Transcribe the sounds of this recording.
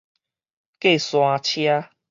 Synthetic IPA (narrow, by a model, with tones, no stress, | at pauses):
ke˥˦˨sw̃ã˧t͡ɕʰja˦